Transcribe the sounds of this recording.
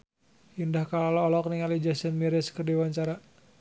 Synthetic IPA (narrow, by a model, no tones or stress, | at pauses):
indahkalalɔːlɔk̚niŋalid͡ʒasənmiɾɛskərdiwaɲt͡ʃaɾa